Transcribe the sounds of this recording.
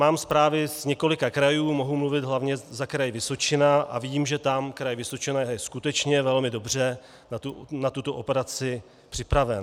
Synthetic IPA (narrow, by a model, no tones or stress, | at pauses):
maːmspɾaːvɪsɲɛko̞lɪkakɾajuːmoɦumluvɪd̪ɦlavɲɛzakɾajvɪso̞t͡ʃɪnaʔa̰vimʒɛt̪amkɾajvɪso̞t͡ʃɪnajjɛskut̪ɛt͡ʃɲɛvɛlmɪdo̞br̝ɛ | nat̪unat̪ut̪o̞ʔopɛɾat͡sɪ | pr̝̥ɪpɾavɛn